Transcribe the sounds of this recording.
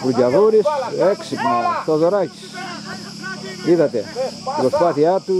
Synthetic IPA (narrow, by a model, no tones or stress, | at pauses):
pɾuɟɐðuɾiseksipnɐt̪oðoɾaci̥s | iðɐt̪ḛɣospɐθiat̪u